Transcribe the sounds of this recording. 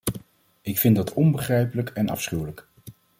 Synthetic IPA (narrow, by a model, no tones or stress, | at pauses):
ɪkfɪndɑtʰɔnbəχrɛjpələkɛnɑ̰fsχywlək